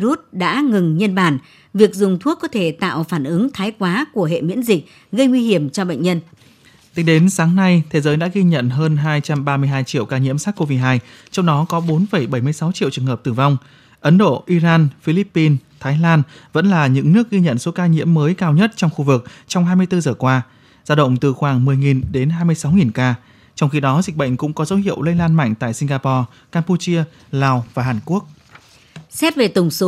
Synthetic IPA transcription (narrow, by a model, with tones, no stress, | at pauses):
u˦˥t̚ɗa̰ː˧˥ŋɨ˨˩ŋɲə˧nɓaː˧˩n | vi˨˩ək̚zʊ˨˩ŋ͡mt̪ʰu˦˥əkːɔ˨˦t̪ʰe˧˩t̪a̰ː˧˨wfaː˧˩nʔɨ˨˦ŋt̪ʰaː˨˦jkwaː˨˦ku˧˩əɦḛ˧˨mḭ˧˥ənzi˨˩k̚ | ɣə˧jŋwi˧ɦi˧˩əmt͡ɕɔ˧ɓə̰˧˨ŋ̟ɲə˧n | t̪i˨˦ŋɗe˨˦nsaː˨˦ŋna˧jt̪ʰe˨˦zəː˨˦jɗa̰ː˧˥ɣi˧ɲə̰˧˨nɦəː˧nɦaː˧jt͡ɕa˧mɓaː˧mɨ˧əjɦaː˧jt͡ɕḭ˧˨əwkaː˧ɲḭ˧˥əmsaː˦˥k̚ko˧vi˧˩ɦaː˧˩j | t͡ɕɔ˧wŋ͡mɗɔ˨˦kɔ˨˦ɓo˨˦nfə˧˩jɓə˧˩jmɨ˧əjsa˨˦wt͡ɕḭ˧˨wt͡ɕɨ˨˩əŋhəː˨˩p̚t̪ɨ˨˩va˧wŋ͡m | ʔə˨˦nɗo̰˧˨ʔi˧zaː˧nfi˧li˦˥pːi˧nt̪ʰaː˨˦jlaː˧nvə̰˧˥nlaː˨˩ɲɨ̰˧˥ŋnɨ˦˥ək̚ɣi˧ɲə̰˧˨nso˨˦kaː˧ɲḭ˧˥əmːəː˨˦jkaː˧wɲə˦˥t̚t͡ɕɔ˧wŋ͡mxu˧vɨ˨˩k̚t͡ɕɔ˧wŋ͡mɦaː˧jmɨ˧əjt̪ɨ˧zəː˨˩kwaː˧ | zaː˧wɗə̰˧˨wŋ͡mt̪ɨ˨˩xwaː˧˩ŋmɨ˨˩əjŋi˨˩nɗe˨˦nhɦaː˧jmɨ˧əjsa˨˦wŋi˨˩nkaː˧ | t͡ɕɔ˧wŋ͡mxi˧ɗɔ˨˦zï˨˩ɓə̰˧˨ŋ̟kʊ̰˧˥ŋ͡mkɔ˨˦zə˨˦wɦi˧˨əwlə˧jlaː˧nma̰˧˨jŋ̟t̪a̰ː˧˨jsi˧ŋ̟ɣaː˧pɔ˧ | kaː˧mpu˧t͡ɕi˧ə | laː˧˩wvaː˨˩ɦaː˨˩nku˦˥ək̚ | sɛ˦˥t̚ve˨˩t̪ʊ˨˩ŋ͡mso˨˦